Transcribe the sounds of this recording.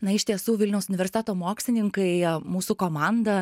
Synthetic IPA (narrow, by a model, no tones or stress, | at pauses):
nɐɪʃt̪ʲiɛsuːʋʲɪlʲnʲɛʊsʊnʲɪʋʲɛɾʲsʲɪt̪ʲɛːt̪oːmoːksʲlʲɪnʲɪŋkɐɪmuːsukoːmɑnd̪ɐ